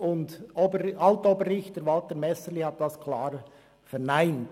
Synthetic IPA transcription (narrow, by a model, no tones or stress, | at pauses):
ʊndobəɑltoːbəɾːɪçtdəɾvɑltəɾmɛsəlihɑt̚d̥ɑskʰlɑːɾ | fɛɾnaɪnt